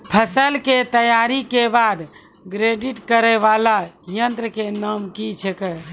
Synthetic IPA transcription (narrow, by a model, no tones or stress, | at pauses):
pʰəsəlket̪əjaɾikebad̪ | ɡɾeɖiʈkəɾɛʋalajənt̪ɾəkenəmkit͡ʃʰekɛ